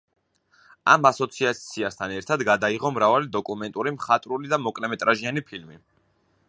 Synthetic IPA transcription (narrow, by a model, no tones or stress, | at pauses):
a̰masɔt̪sʰiat̪sʰiast̪ʰanɛɾt̪ʰad̪ɡad̪aiʁɔmɾavalid̪ɔkʼumɛnt̪ʼuɾimχat̪ʼɾulid̪amɔkʼlɛmɛt̪ʼɾaʒianipʰilmi